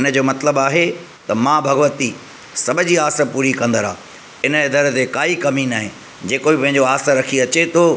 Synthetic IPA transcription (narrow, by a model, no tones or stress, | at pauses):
ɪnə̆d͡ʑoːmɐt̪ləbaːɦe | t̪ɐmãbʱɐɡʋət̪i | sɐbʱə̆d͡ʑiaːsə̆puːɾikɐ̃nd̪əɾa̰ː | ɪnəɪd̪əɾət̪ekaːikɐminaːɦẽ | d͡ʑeːkobipɐ̃ɦɪ̃ɲd͡ʑoaːsəɾɐkʰiɐt͡ɕet̪ʰoː